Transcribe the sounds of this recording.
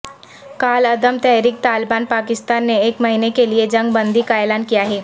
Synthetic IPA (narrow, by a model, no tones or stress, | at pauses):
kaːlɐd̪əmt̪ɛːɾiːk̚t̪aːlbaːnpaːkɪst̪aːnːeeːkmɐɦiːnekelied͡ʒɐ̃ŋɡ̚bɐ̃nd̪ikaeːlaːnkijaɦɛː